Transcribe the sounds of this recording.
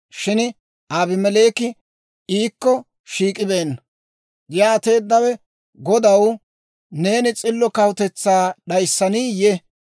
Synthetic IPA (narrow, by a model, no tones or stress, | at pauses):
ʃɪn | ʔaːbɪmɛle̞ːkɪ | iːkːɔ | ʃiːkʼɪbe̞ːnːɐ | ɡjaːt̪e̞ːd̪ːɐwɛ | ɡɔd̪ɐw | ne̞ːnɪt͡sʼɪlːɔkɐwt̪ɛt͡sːaːɗɐjsːɐniːjɛ